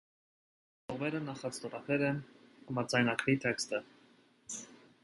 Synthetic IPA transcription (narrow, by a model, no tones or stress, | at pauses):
tɔʁmɛɾənɑχɑt͡st̪ɔɾɑpʰɛɾɛnɑmɑd͡zɑjnɑkʰvit̪ʰɛkst̪ə